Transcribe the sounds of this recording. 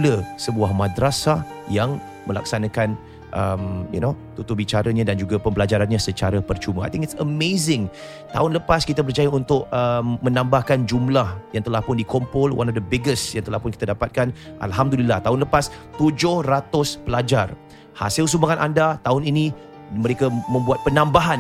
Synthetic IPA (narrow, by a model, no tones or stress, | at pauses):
ləsəbuahmadɾasa | jaŋ | məla̰ksanakan | ʔəmjṵnot̪ut̪ubit͡ʃaɾaɲadand͡ʒuɡapəmbəlad͡ʒaɾanɲasət͡ʃaɾəpərt͡ʃuməa̰jt̪ɪ̃ŋɪtsəmezɪ̃ŋ | t̪a̰ɦʊnləpaskit̪abərd͡ʒajaunt̪ʊk̚əmmənãmbahkand͡ʒumlahjaŋt̪əlahpʊndikɔmpɔlwʔa̰nɔfd̪əbɪɡəsjaŋt̪əlahpʊnkit̪adapat̪̚kanʔa̰lɦamd̪ulilːaht̪aʊnləpast̪ud͡ʒʊhrat̪ʊspəlad͡ʒar | ha̰sɪls̬umbaŋanʔandat̪aʊnini | məɾekamə̃mbuat̪̚pənãmbaɦan